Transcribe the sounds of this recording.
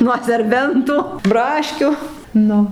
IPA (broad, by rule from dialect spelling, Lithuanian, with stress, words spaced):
nuɔ sʲɛrʲˈbʲɛntʊ ˈbrɑːʃʲkʲʊ ˈnʊ